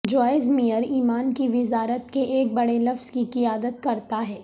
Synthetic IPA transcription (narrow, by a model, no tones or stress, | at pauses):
d͡ʒɔːɪzmijəɾiːmaːnkiʋɪzaːɾət̪keʔeːk̚bɐɽelɐfz̥kikɪjaːd̪ət̪̚kɐɾt̪aɦɛː